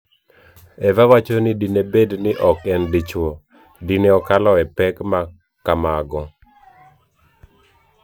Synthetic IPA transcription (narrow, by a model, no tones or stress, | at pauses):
ɛvawat͡ʃonɪdinebednɪʔɔkɛndit͡ʃwo | dineɔkalɔɛpɛkma | kamaɡɔ